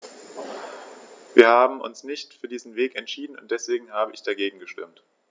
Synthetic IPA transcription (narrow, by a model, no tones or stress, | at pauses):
viːɐhaːbm̩ʔʊ̰nsnɪçtfyːɐdiːzn̩veːkɛntʃiːdn̩ʊnt̚d̥ɛsv̥eːɡŋ̩haːbəʔɪçd̥aɡeːɡŋ̩ɡəʃtɪ̰mt